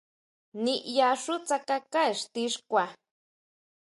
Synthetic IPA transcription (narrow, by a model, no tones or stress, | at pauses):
niʔjaʂut͡sakakaeʃt̪iʃkʷa